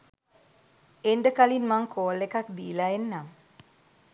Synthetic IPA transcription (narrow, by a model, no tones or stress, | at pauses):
endəkalinmaŋkʰoːlekak̚d̪iːlaenːam